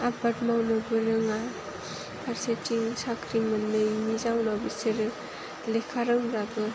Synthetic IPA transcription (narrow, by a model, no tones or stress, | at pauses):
abatmawnɯbɯɾɯŋa | pʰaɾsetiŋsakʰɾimɐnːɯjmizawnɔbisɯɾ | lekʰaɾɯŋɾabɯ